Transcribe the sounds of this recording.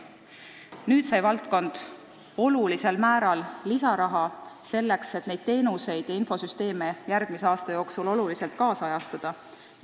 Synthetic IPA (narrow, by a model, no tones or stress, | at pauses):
nyːd̪̥sɑjvɑlt̪̚ko̞nd̪̥ | o̞lulise̞lmæːɾɑlːisɑɾɑɦɑse̞lːe̞kse̞t̪ne̞jd̪̥̚t̪e̞ːnuse̞jd̪̥jɑinfo̞syst̪e̞ːme̞jæɾɡ̥miseɑːst̪ɑjo̞ːksulo̞lulise̞lt̪̚kɑːsɑjɑst̪ɑd̪̥ɑ